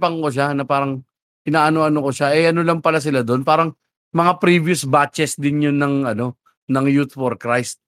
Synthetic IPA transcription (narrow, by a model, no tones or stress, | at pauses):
pɐŋkoʃanɐpaːɾɐŋ | ʔɪnaːʔɐnoʔɐnokoʃaʔɛʔɐnolɐmpɐlas̬ɪlad̪o̞npaːɾɐŋ | mɐŋapɾivjʊsbat͡ʃɛsd̪ɪnjonːɐŋʔɐno̞ | nɐŋjut̪foɾkɾajst̪̚